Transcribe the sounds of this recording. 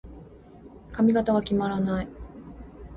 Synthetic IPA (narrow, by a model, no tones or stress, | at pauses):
kamʲiɡat̪aɡakʲimaɾanai